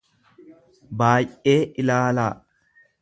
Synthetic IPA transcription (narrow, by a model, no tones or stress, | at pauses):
baːjʔeːʔɪlaːlaː